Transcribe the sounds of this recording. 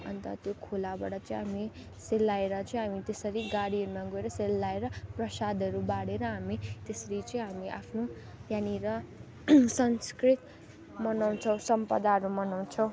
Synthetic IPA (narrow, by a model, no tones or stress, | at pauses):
ʌ̰nt̪ʌt̪jokʰolabaɽʌt͡sʌĩɦami | selːaeɾʌt͡sʌĩɦamit̪esʌɾiɡaɽiɦʌɾumaɡoeɾʌselːaeɾʌprʌsad̪ʱʌɾubaɽeɾʌɦamit̪esʌɾit͡sʌĩɦamiʔa̰pʰno | janiɾʌ | sʌnskrit̪ | mʌnaw̃t͡sʰʌw̃sʌmpʌd̪aɦʌɾumʌnaw̃t͡sʰʌw̃